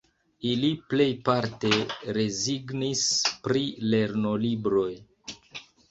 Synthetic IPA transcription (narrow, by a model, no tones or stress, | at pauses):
iliple̞jpaɾte̞ɾe̞ziɡnispɾile̞ɾno̞libɾo̞j